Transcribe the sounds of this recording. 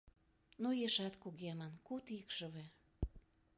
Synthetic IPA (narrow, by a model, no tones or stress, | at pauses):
nojeʃɑt̪kuɣemɑnkut̪ikʒə̆βe